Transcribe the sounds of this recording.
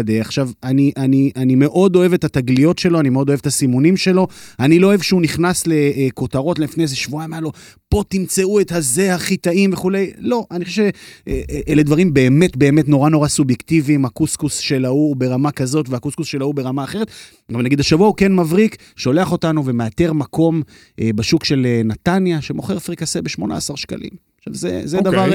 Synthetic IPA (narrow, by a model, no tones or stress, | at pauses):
deaχʃavaniʔaniʔanime̞ʔo̞do̞evetataɡlijo̞tʃe̞lo̞animeo̞d̪o̞evet̪asimunimʃe̞lo̞aniloːevʃeuniχnasle̞ko̞taʁo̞tleifnezeʃvuamalo | po̞timt͡se̞ue̞thaze̞haχitaimve̞χule̞jlo̞ʔanixχoʃeʃeʔeʔeled̪vaʁimbe̞ːme̞tbe̞ːme̞tno̞ʁano̞ʁasubjektivimhakuskusʃe̞laube̞ʁamakazo̞tveakuskusʃe̞laubeʁamaːχe̞ʁet̪ | ɡavamnaɡid̪aʃavuauke̞nmavʁik | ʃo̞le̞aχo̞tanuve̞meateʁmakʰo̞m | ʔebaʃukʃe̞lenat̪anjaʃe̞mo̞χe̞ʁfʁikasebe̞ʃmo̞na̰ːsaʁʃka̰lḭmaʃa̰vzḛzed̪avvaʁ